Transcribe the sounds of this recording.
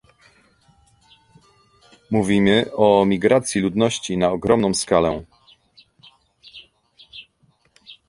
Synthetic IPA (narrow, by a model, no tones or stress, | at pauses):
muvʲimɘɔmʲiɡɾat̪sʲjilud̪nɔɕt͡ɕinaɔɡɾɔmnɔ̃w̃skalɛ